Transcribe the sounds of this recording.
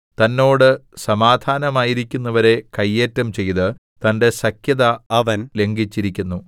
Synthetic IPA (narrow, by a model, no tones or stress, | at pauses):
t̪ɐnːo̞ːɽɨsɐmaːd̪ʱaːnɐmaːjiɾikʲːunːɐʋɐɾe̞kɐjːe̞ːtːɐmt͡ɕe̞jðɨ | t̪ɐnde̞sɐkjɐðɐɐʋɐnle̞ŋɡit͡ɕːiɾikʲːunːu